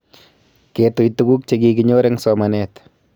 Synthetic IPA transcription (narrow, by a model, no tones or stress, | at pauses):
ketujtuɡuk̚t͡ʃeɡikiɲoɾɛŋsɔmanɛt